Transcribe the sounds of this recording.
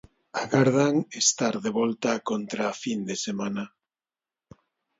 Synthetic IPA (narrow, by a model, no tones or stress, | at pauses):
aɣaɾðaŋest̪aɾðeβɔlt̪akont̪ɾafind̪esemana